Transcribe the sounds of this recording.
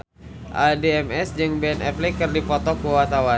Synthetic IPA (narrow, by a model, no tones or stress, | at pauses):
ʔadeɛmɛsd͡ʒɨŋbeɛnɛplikɨrdipɔt̪ɔkuwat̪awa